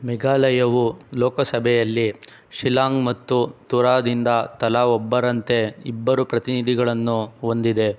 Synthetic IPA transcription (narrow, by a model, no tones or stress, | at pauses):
mɛɡaːlɐjɐʋulɔːkɐsɐbʱɛjɐlːi | ʂilaːŋmɐt̪ːut̪uɾaːd̪ind̪ɐt̪ɐlaɔbːɐɾɐnt̪e̞ibːɐɾupɾɐt̪inid̪ʱiɡɐɭɐnːuo̞nd̪id̪e̞